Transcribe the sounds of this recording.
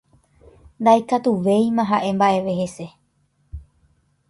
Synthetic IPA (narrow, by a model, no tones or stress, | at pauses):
nd̪aekat̪uʋe̞jmãɦaʔe̞mbaʔe̞ʋe̞ɦe̞se̞